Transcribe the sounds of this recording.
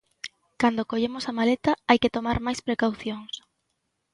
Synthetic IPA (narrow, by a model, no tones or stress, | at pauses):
kand̪okoʎemosamalet̪aajket̪omaɾmajspɾekawθjoŋs